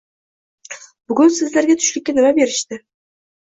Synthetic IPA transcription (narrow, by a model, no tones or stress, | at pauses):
b̥ʊɡʲʊnsɨzlaɾɡʲat̪ʰʊ̥ʃlɪkʲːanɪmabe̞ɾɪʃt̪ɪ